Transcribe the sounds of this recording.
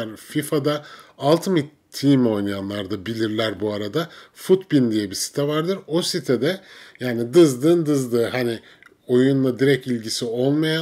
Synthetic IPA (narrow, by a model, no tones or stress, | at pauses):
ɾfifad̪aːlˠt̪ʰɯmit̪ʰːimo̞jnjanlˠaɾd̪abilʲiɾlʲæɾbuaɾad̪afut̪bind̪ijɛbisi̥t̪ʰɛvaɾd̪ɯɾo̞sit̪ʰɛd̪ɛjaːnid̪ɯzd̪ɯːnd̪ɯzd̪ɯːɦani | o̞junlˠad̪iɾɛcilʲɟisio̞lˠmaja